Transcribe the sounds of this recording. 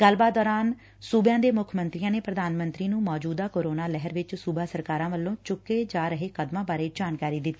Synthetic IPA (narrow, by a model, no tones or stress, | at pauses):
ɡəlːbaːt̪̚d̪ɔːɾaːn | suːbjãːd̪eːmʊkʰmənt̪ɾijãːneːpɾəd̪aːnmə̃nt̪ɾiːnũːmɔːd͡ʒuːd̪aːkoːɾoːnaːlɛɦəɾʋɪt͡ʃsuːbaːsəɾkaːɾãːʋəlːõːt͡ʃʊkːeːd͡ʒaːɾəɦeːkəd̪mãːbaːɾeːd͡ʒaːnkaːɾiːd̪ɪt̪ːiː